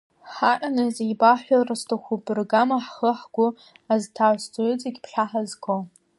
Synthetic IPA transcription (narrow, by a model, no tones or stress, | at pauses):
ħaʔanɨzejbaħʷᶣarastʰoχʷubʼɨrɡamaħχəħɡʷʊ | aztʰaʕst͡sʼoʏt͡sʼiɡʲpʰħaħazkʰo